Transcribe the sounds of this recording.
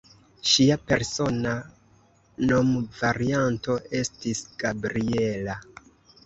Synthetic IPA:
ʃiape̞ɾso̞na | no̞mvaɾianto̞e̞stisɡ̥abɾie̞la

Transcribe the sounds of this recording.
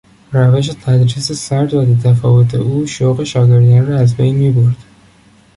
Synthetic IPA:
ræveʃ̬e̞t̪ʰæd̪ɾiːsesæɾd̪æd̪et̪ʰæfɒːvo̞t̪ʰe̞̰ʔuːʃoɣe̞ʃɒːɡeɾɡæɾːɒæzbejnmiːboɾd̪̥

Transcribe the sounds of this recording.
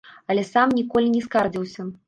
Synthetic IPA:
ɐlʲɛsamnʲikɔlʲinʲɛskard͡zʲiwsʲɐ

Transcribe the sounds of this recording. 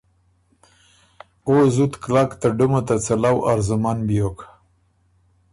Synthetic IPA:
ozut̪klakt̪aɖumat̪at͡salawaɾzʊmanbijok

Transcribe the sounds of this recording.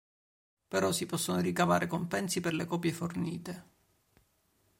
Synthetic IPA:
peɾɔsːipɔsːonoɾikava̰ːɾekompɛnsiperlekɔːpjeforniːt̪e

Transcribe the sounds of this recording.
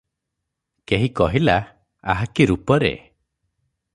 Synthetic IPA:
keɦikɔɦila | aɦakiɾupɔɾḛ

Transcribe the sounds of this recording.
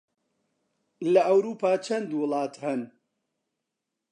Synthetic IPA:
lɐʔɐwɾuːpʰaːt͡ʃʰɐnd̪wʊlˠɑːt̪hɐn

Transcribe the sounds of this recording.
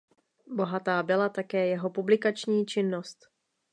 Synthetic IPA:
bo̞ɦat̪aːbɪlat̪akɛːjɛɦo̞publɪkat͡ʃɲiːt͡ʃɪnːo̞st̪

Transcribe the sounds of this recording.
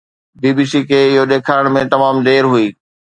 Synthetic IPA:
biːbiːsikʰeːɪɦoɗ̪eːkʰaːɪɽ̃mẽt̪ɐmaːmd̪eːɾɦuiː

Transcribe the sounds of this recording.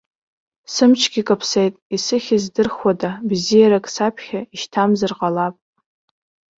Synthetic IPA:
sɨmt͡ʃʰɡʲikʼapʰsejtʼisɨχʲɪzdɨrχwadabzijaɾakʼsapʰχʲaiʃtʰamzɨrqʼalapʼ

